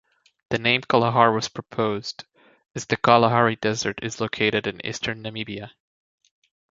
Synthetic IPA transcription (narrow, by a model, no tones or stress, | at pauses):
ðɨnẽɪ̃mkʰəlˠəɦɑɹwʌz̥pʰɹ̥əpʰoʊzd | ɨzðɨkʰɑlˠəɦɑɹidɛzə˞ɾɨzloʊkʰeɪɾɨɾɨ̃nḭstʰə̃˞nːɨmibiɨ